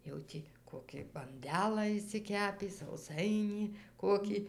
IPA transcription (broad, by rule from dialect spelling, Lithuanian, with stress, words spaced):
jɛʊ ˈtʲiː ˈkoːkʲiː bɐnʲˈdʲæːlˠɑː ɪʃʲsʲɪˈkʲæːpʲiː sɐʊˈsɐɪnʲiː ˈkoːkʲiː